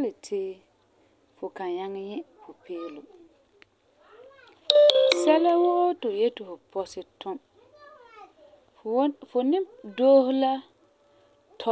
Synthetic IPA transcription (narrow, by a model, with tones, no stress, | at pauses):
a˦lɪ˨tʰɪː˦ | fʊ˨kã˨ja˦ŋɪ˦ɲɛ˦fʰʊ˨pʰeː˦lʊ˨ | sɛ˦la˦wʊ˦ʔo˦tʊ˨je˦tʊ˨fʊ˨pʰɔ˦sɪ˨tʰʊ˦m | fʊ˨nɪ˦doː˦hʊ˦la˦ | tʰɔ˦